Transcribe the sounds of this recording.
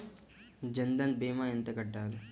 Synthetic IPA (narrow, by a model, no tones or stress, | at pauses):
d͡ʒɐnd̪ɐnbeːmajɐnt̪ɐkɐʈːaːlu